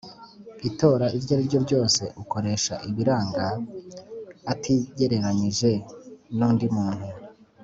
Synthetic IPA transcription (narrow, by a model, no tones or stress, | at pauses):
ito̞ːɾaʔivɟaiɾɟo̞ɾɟo̞ːse̞ʔuko̞ɾe̞ʃaʔiβiɾaːŋɡa | tʰiɟe̞ɾe̞ɾaɲiʒe̞nuːndimuːn̥hu